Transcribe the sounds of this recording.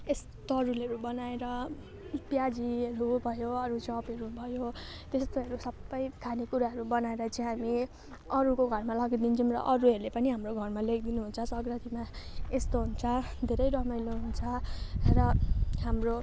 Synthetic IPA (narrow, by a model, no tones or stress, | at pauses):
es | t̪ɾulɦʌɾubʌnaeɾʌ | pjad͡ziʌɾubʱʌjoʌɾut͡sʌpʌɾubʱʌjo | t̪est̪oɦʌɾusʌbːʌjkʰanikuɾaɦʌɾubʌnaeɾʌt͡saj̃ɦami | ʌɾukoɡʱʌrmalʌɡid̪int͡sʰʌmrʌ̰ʔʌɾuɦʌɾulepʌniɦamroɡʱʌrmalekʰd̪inuɦunt͡sʰʌsʌɡrʌt̪imaest̪oɦunt͡sʰʌd̪ʱeɾʌjɾʌmʌjloɦunt͡sʰʌrʌɦamro